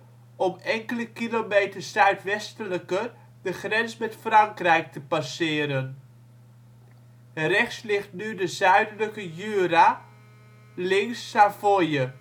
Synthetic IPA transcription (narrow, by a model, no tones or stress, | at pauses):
ɔmɛŋkələkilomejtərsœɥtʋɛstələkər | dəχrɛnsmɛtfrɑŋkrɛjk̚təpasɪːɾən | rɛχslɪχtnydəzœɥdələkəjyːra | lɪŋsːafojə